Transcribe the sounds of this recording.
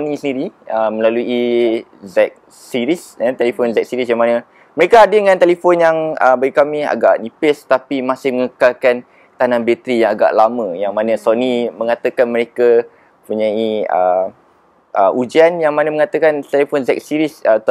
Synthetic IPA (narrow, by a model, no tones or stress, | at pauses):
sonisəndiɾiəmə̃laluizɛk̚ | siɾisat̪elifonzɛk̚siɾisjaŋmanə | məɾekaadəəŋãnt̪elifonjaŋəbaɡikamia̰ɡaʔnĩpɪst̪apimasɪhməŋəkalkan | t̪anãnbet̪ɾijaŋaɡa̰ʔlamə̃jaŋmanə̃sonimə̃ŋat̪əkanməɾeka | puɲãiə̰ | ʔəʔud͡ʒianjaŋmanəməŋat̪əkant̪elefonzɛk̚siɾisət̪